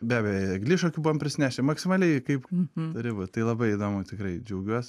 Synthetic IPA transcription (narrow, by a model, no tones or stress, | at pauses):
bʲæːbʲɛjoɐɡlʲɪʃoːkʲuːbuʋoːmpʲɾʲɪsʲnʲæːʃʲɛmɐksʲɪmɑlʲɛɪkɐɪpt̪ɐɾʲɪbɐt̪ɐɪlˠɐbɐɪid̪oːmʊt̪ʲɪkɾɐɪd͡ʒʲɛʊɡʲuɔsʲ